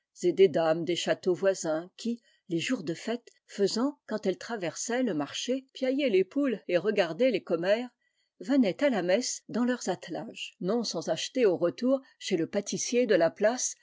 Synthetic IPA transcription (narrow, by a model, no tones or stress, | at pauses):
z̥ed̪ed̪amd̪eʃat̪ovwazɛ̃kʲi | leʒuʁd̪əfɛt̪ | fəzɑ̃kɑ̃t̪ɛlt̪χavɛʁsɛləmaʁʃepjajelepuleʁəɡaʁd̪elekɔmɛːʁ | vənɛt̪alamɛsd̪ɑ̃lœʁzat̪laʒnɔ̃sɑ̃zaʃt̪eoʁət̪uʁʃeləpat̪isjed̪əlaplas